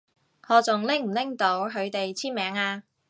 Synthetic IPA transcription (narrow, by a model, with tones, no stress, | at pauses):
ŋɔː˨˧t͡sʊ˨ŋlɪ˥ŋm̩˨˩lɪ˥ŋt̪o˨˥wɦɵ˨˧ɥt̪e˨jt͡sʰiː˥nmɛː˨˥ŋaː˧